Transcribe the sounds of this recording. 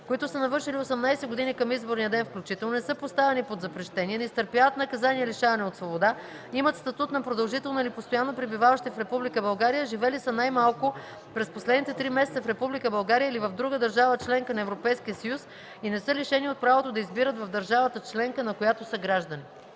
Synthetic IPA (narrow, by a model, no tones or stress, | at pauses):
koit̪ʊsənɐvɤɾʃiliosɛmnajsɛɡod̪inikɐmizboɾnijəd̪ɛnfklʲut͡ʃit̪ɛlˠnonɛsɤpost̪avɛnipod̪zɐpɾɛʃt̪ɛniɛnɛist̪əɾpjavət̪nɐkɐzaniɛliʃavɐnɛot̪svobod̪a | imət̪st̪ɐt̪ut̪nɐpɾod̪ɐlˠʒit̪ɛlˠnoilipost̪ojanːopɾibivavəʃt̪ifɾɛpublikəbɐlˠɡaɾijəʒivɛlisənajmalˠkʊ | pɾɛsposlɛd̪nit̪ɛt̪ɾimɛsɛt̪səfɾɛpublikəbɐlˠɡaɾijəilivɐvd̪ɾuɡəd̪ɐɾʒavət͡ʃlɛŋkənɐɛvɾopɛjskiəsɐjus | inɛsɤliʃɛniot̪̚pɾavot̪od̪ɐizbiɾət̪vɐvd̪ɐɾʒavət̪ət͡ʃlɛŋkənɐkojat̪osəɡɾaʒd̪əni